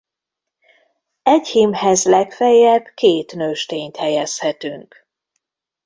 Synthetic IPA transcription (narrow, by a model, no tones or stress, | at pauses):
ɛchimhɛzlɛkfɛjːɛbkeːt̪nøːʃt̪eːɲt̪hɛjɛshɛt̪yŋk